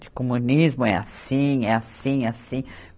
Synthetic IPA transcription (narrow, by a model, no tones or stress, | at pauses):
d͡ʒɪ̥komũnizmʊɛa̰sĩɛasĩasĩ